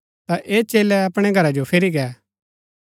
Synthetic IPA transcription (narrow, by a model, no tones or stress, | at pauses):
t̪aʔeːt͡ʃeːlɛɐpɽ̃ɛɡʱɐɾad͡ʒopʰeːɾiɡɛː